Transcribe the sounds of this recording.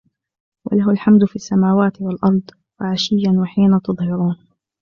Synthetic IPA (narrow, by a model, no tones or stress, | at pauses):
wʔa̰laɦʊlħamd̪ʊfiasːamaːwaːt̪ɪwalʔɑɾˤd̪ˤ | waʕaʃɪjːanwaħiːnat̪ɨðˤhɑɾuːn